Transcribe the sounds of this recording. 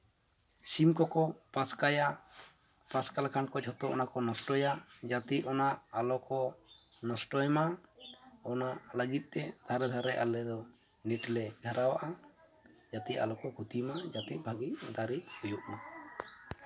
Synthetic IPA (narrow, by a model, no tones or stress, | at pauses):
simkɔkɔpãskaja | pãskalakankɔd͡ʒʰɔt̪ɔʔɔ̰nakɔnɔsʈɔjad͡ʒat̪iɔnaʔalɔkɔnɔsʈɔjma | ɔnaʔləɡit̪̚ˀt̪ɛd̪ʱaɾɛd̪ʱaɾɛʔa̰lɛd̪ɔ | niʈlɛɡʱəɾawaʔa | d͡ʒat̪ia̰lɔkɔkʰut̪imad͡ʒat̪it̪̚bʱaɡid̪aɾihujuʔma